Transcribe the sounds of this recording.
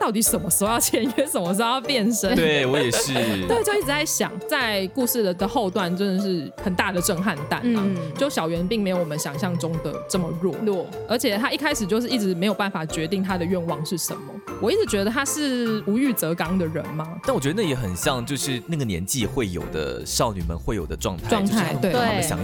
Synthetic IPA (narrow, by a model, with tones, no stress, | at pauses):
t̪ɑ˥˩ʊt̪i˨˥ʂə˨˩mə˦so˥ʊjɑ˥˩ʊt͡ɕʰjɛ˧˥nɥɛ˧˥sə˨˩nmə˧˦s̬o˥jɑ˥˧ʊpjɛ˥˩nʂə˦nt̪we˥˩ɪwɔ˧˦jɛ˨˩ʂɻ̩˥˩t̪we˥ɪt͡ɕjo˥˧ʊi˥˩ʈ͡ʂɻ̩˧t͡sa˥˩ɪɕjɑ̰˨˩ŋt͡sa˥˧ɪku˥˧ʂɻ̩˥˩d̪ə˩d̪ə˩xo˥˧ʊt̪wa˥˩nʈ͡ʂə˥nə˧˨ʂ̬ɻ̩˥˩ | xə˨˩nt̪a˥˩d̪ə˩ʈ͡ʂə˥˧ŋxa˥˧nt̪a̰˥˩nt͡ɕjo˥˩ʊɕjɑ˨˩ʊɥɛ˧˥npi˥˩ŋme˧˥ɪjo˨ʊwɔ˨˩mə˦ɕjɑ˨˩ŋɕjɑ˥˩ŋʈ͡ʂʊ˦ŋd̪ə̰˨ʈ͡ʂə˥˩mə˩ɻwɔ̰˥˩ɔ˥˩ | ə˞˧˥t͡ɕʰjɛ˨˩t̪ʰa˦˥i˥˩kʰa˥ɪʂɻ̩˨˩t͡ɕjo˥˧ʊʂɻ̩˥˩i˥˩ʈ͡ʂɻ̩˧˥me˧˥jo˨˩ʊba˥˩nfa˨˩t͡ɕɥɛ˧˥t̪i˥˩ŋt̪ʰa˦˥d̪ə˨ɥɛ˥˧nwɑ˥˧ŋʂɻ̩˥˩ʂə˨˦nmə˨wɔ˨˩i˥˩t͡sɻ̩˧˥t͡ɕɥɛ˧˥d̪ə˧t̪ʰa˥ʂɻ̩˥˩u˧˥y˥˩t͡sɤ˧˥kɑ˥ŋd̪ə˨ɻə̰˧˦nma˦˥˩nwɔ˨˩t͡ɕɥɛ˧˥ə˧˩na˥˩ɛ˧˥˩xə˨˩nɕjɑ˥˧ŋt͡ɕjo˥˧ʊʂɻ̩˥˩na˥˩ɡə˩njɛ̰˧˦nt͡ɕi˥˨˩xwe˥˩ɪjo̰˨˩ʊd̪ə̰˦ʂɑ˥˩ʊny̰˨˩mə̰˦nxwe˥˩ɪjo˨˩d̪ə˦ʈ͡ʂwɑ̰˥˧ŋt̪ʰa˥ʈ͡ʂwɑ˥˧ŋto˥a˥˩ɪwe˥˩˨we˥ɪ˩ɕjɑ̰˨˦ŋ